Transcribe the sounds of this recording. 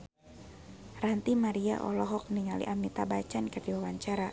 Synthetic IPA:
rant̪imaɾia̰ʔɔ̰lɔɦɔk̚niŋalḭʔamit̪abat͡ʃankərdiwawaɲt͡ʃaɾa

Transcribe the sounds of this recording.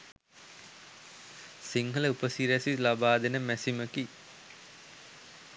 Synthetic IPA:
siŋɦələupəsiɾæsilabaːd̪enəmæsiməki

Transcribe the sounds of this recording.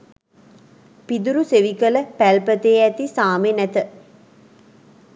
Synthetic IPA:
pid̪uɾuseʋikələpælpət̪eːæt̪isaːmenæt̪ə

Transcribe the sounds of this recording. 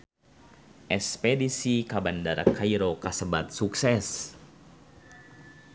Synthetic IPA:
ʔɛspɛdisikabandaɾa̰kaiɾokasəbat̪̚suksɛs

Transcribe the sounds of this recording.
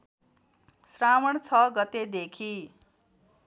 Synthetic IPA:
sramʌɳt͡sʰʌɡʌt̪ed̪ekʰi

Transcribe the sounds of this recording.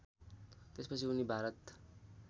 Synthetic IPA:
t̪espʌt͡sʰiunibʱaɾʌt̪

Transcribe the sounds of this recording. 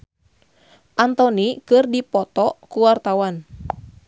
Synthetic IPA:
ʔant̪ɔnikɨrdipɔt̪ɔkuwart̪awan

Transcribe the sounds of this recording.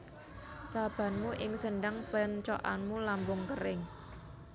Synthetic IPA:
sab̥ä̤nmuʔɪŋsənɖaŋpənt͡ʃɔ̰ʔanmulambʊŋkəɾɪŋ

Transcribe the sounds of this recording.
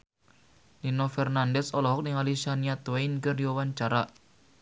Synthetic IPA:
linɔfɛrnandɛsɔlɔɦɔk̚nɪŋalisaniat̪wejnkərdiwawaɲt͡ʃaɾa

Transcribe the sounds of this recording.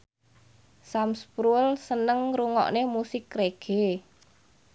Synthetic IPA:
samspɾulsənəŋruŋɔ̰ʔnemusɪkreɡ̥e

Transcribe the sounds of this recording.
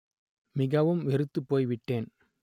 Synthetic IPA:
mɪɣɐʋɯmʋɛɾɯt̪ːɯpːoːjʋɪʈːeːn

